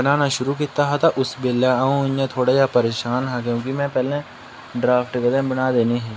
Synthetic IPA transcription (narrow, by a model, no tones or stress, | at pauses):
bɐnaːnaʃʊɾuk̬it̪aɦat̪aʔʊsbelaũɪ̃ãt̪ʰoːɽajapɐɾeːʃaːnɦɛk̬jõːkimɛ̃pɛːlẽ | ɖɾaːfʈɡɐd̪ə̃bɐnaːd̪eːniɦɛ̃ː